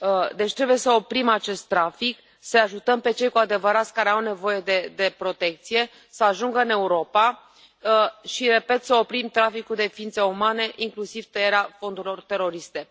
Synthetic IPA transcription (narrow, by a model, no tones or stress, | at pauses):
d̪e̞t͡ʃʲt̪ɾebuje̞səo̞pɾimat͡ʃe̞st̪ːɾafik | səaʒut̪əmpe̞t͡ʃe̞jkuad̪e̞vəɾat̪sʲkaɾe̞awne̞vo̞je̞d̪e̞d̪e̞pɾo̞t̪e̞k̚t̪sije | səaʒuŋɡəɨne̞uɾo̞pa | ʃiɾe̞pe̞t̪səo̞pɾimt̪ɾafikud̪e̞fiint̪seumane̞ʔiŋklusiv̥t̪əjeɾeafo̞nd̪uɾilo̞rt̪e̞ɾo̞ɾist̪e̞